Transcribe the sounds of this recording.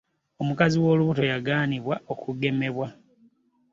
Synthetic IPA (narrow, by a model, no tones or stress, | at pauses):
omukaziwo̞ːluβuto̞jaɡaːniβwao̞kuɡe̞me̞βwa